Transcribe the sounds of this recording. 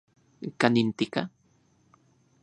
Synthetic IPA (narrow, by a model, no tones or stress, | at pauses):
kanint̪ika